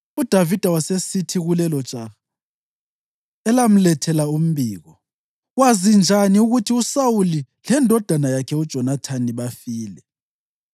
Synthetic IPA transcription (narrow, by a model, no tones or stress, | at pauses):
ud̥ʱavid̥ʱawasesitʰiɣulɛlɔ̥t͡ʃʼa | ɛlam̩lɛtʰɛlaum̩biːɣɔ | wazind͡ʒʱaniuɣutʰiusawuli | lɛndʱɔd̥ʱanajakʰɛud̥ʒ̥ʱɔnatʰaniβafiːlɛ